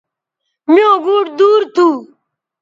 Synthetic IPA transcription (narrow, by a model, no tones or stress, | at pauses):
miõɡuːʈd̪uːɾt̪ʰu